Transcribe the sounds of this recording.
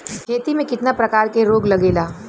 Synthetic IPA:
kʰeːt̪imẽkɪt̪napɾɐkaːɾkeɾoːɡlɐɡeːlaː

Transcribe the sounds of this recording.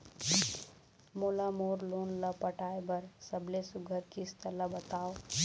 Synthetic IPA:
moːlamoːɾloːnlapəʈʰaːebɐɾsəbʱlesʊɡʱəɾkist̪ʰəlabət̪aːo

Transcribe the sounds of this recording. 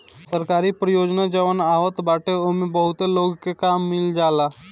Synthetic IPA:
səɾkaːɾipɾəjoːd͡ʒnad͡ʒəʋənaːʋət̪baːʈeomebəɦʊt̪eloːɡkekaːmːɪld͡ʒaːlaː

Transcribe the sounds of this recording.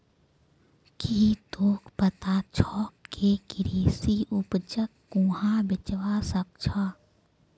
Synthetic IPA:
kʰiːt̪oːkʰpət̪at͡ʃʰɔːkːʰekɪɾiːsiʔʊpt͡ʃəkːũːɦãbɪt͡ʃʋasək̚t͡ʃʰaː

